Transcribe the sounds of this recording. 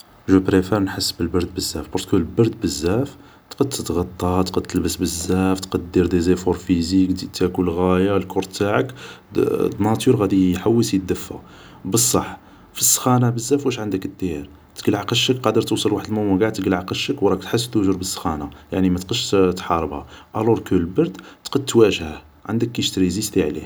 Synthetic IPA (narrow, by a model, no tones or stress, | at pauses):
ʒupɾefæɾnħəsːbəlbɑɾˤd̪̚bəzːæfbʊɾt̪kulbɑɾˤd̪̚bəzːæf | t̪qəd̪̚t̪ət̪ɣɑt̪ˤːɑt̪qəd̪̚t̪əlbəsbəzːæft̪qɑd̪ːəɾd̪izæfoɾfizikt̪iʔt̪ækulɣæjalkʰʊɾˤt̪ːaʕək | d̪nɑt̪uɾɣæd̪iħawːəsəd̪ːəfːæ̰ | bəsˤːɑħ | fisːxænabəzːæfwæʃʕənd̪əkəd̪ːiɾ | t̪əɡəlʕaqəʃəkqɑd̪əɾˤt̪usˤəlwaħəd̪lməməɡaʕt̪ɡəlʕaqəʃəkwɾˤɑkt̪ħəs̬ːt̪uʒəɾbəsːxænajaʕnimæt̪qəd̪ʃt̪ħɑɾˤəbhæʔæloɾkəlbɑɾd̪t̪qəd̪̚t̪wæʒhæ | ʕand̪əkːiʃt̪ɾizist̪iʕlḭ